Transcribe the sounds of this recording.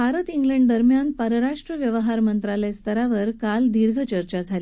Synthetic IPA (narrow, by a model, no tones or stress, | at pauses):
bʱaɾət̪iŋɡləɳɖd̪əɾmjanpəɾəɾaʂʈɾəʋjəʋɦaɾmənt̪ɾalest̪əɾaʋəɾkald̪iɾɡʱət͡ɕəɾt͡ɕad͡zʱali